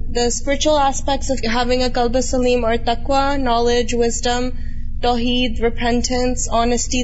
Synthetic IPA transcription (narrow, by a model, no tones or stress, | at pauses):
d̪əspɪɾɪt͡ʃuəlˠæspɛk̚ʈsʌvɦævɪ̃ŋəkʌlˠbəsəlĩːməɹt̪ʌkwanɔlɪd͡ʒwɪzdə̃m | ʈɔɦiːd̪ɹɪpʰɛ̃nʈʰə̃nsɔnəsʈi